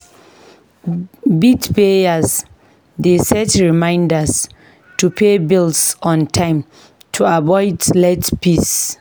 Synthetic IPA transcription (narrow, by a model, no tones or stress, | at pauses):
bitpeas | desɛtɹimãɪ̃ndas | tʰupʰebilsɔ̃ntʰãɪ̃m | tʰuabɔɪdlɛtpʰis